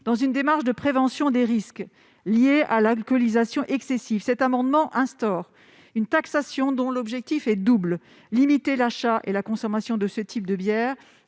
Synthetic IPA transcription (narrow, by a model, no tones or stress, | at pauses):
d̪̥ɑ̃zynd̪emaʁʃd̪əpχevɑ̃sjɔ̃d̪eʁisk | ljeʔalalkɔlizasjɔ̃ʔɛksesivsɛt̪amɑ̃d̪mɑ̃ʔɛ̃st̪ɔʁ | ynt̪aksasjɔ̃d̪ɔ̃lɔbʒɛk̚t̪ifɛd̪ubl | limit̪elaʃaʔḛlakɔ̃sɔmasjɔ̃d̪əsət̪ʰip̚d̪əbjɛːʁ